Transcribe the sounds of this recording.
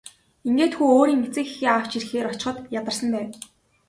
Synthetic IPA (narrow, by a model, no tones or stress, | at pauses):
iŋɡeːt̪xuːoːɾiːŋmet͡sɘ̆kixiːaw̥t͡ɕirxeːɾɔt͡ɕɪ̥̆χə̆t̪jat̪ə̆rsə̆mpæːw